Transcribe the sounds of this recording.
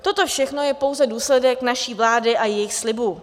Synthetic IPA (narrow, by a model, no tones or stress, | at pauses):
t̪o̞t̪o̞fʃɛxno̞jɛpo̞wzɛduːslɛdɛknaʃiːvlaːdɪʔajɛjɪxslɪbu